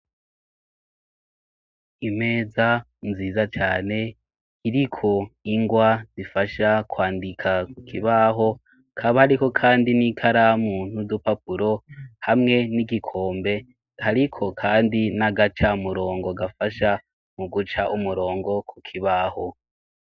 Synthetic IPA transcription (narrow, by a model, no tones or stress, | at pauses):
ime̞ːza | nziːzat͡ʃaːne̞ | kiɾikʰo̞iŋɡwazifaʃakwaːndikʰakukʰiβaɦo̞ | kʰaβahaɾiko̞kʰaːndinikʰaɾamuːn̥hudupapuɾo̞hamŋe̞niɡikʰo̞ːmbe̞ | haɾikʰo̞kʰaːndinaɡat͡ʃamuɾo̞ːŋɡoɡafaʃa | muɡut͡ʃaʔumuɾo̞ːŋɡo̞kʰukʰiβaho̞